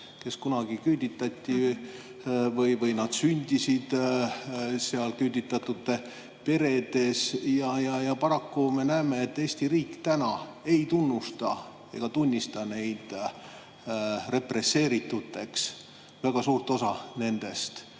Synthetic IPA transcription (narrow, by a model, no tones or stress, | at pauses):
ke̞skunɑɡ̥ikyld̪ʲit̪ːˑɑt̪ʲːi | vɤjvɤjnɑd̪̥synʲd̪̥ʲisid̪̥ | seɑlkyld̪it̪ːˑɑt̪ːut̪ːe | pe̞ɾe̞d̪̥e̞sjɑjɑjɑpɑɾɑkːume̞næːmeet̪ːe̞ːsʲt̪iɾiːkt̪ænɑe̞jt̪unːust̪ɑ | e̞̰ɡ̥ɑt̪unʲːist̪ɑne̞jd̪̥ | re̞pre̞sːe̞ːɾit̪ːˑut̪ːˑe̞ks | væɡ̥ɑsuːrt̪o̞sɑne̞nd̪̥e̞st̪